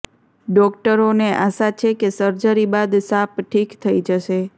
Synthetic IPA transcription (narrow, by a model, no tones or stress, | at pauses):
ɖɔkʈəɾoneʔaʃat͡ʃʰekesəɾd͡ʒəɾibad̪sapʈʰikt̪ʰəid͡ʒəʃe